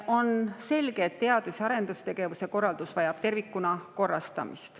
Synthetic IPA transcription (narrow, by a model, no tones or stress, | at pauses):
o̞nse̞lɡ̥eːt̪ːe̞ɑd̪̥usɑɾe̞nd̪ust̪e̞ɡ̥e̞vuse̞ko̞rːɑld̪usvɑjɑb̥t̪e̞rvikːˑunɑko̞rːɑst̪ɑ̰mḭst̪